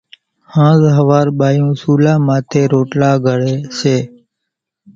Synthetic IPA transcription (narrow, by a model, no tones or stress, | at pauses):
hãːzɦəʋaːɾɓaːjũːsuːlãːmãːt̪ʰeːɾoːʈlaːɡʱəɽeːseː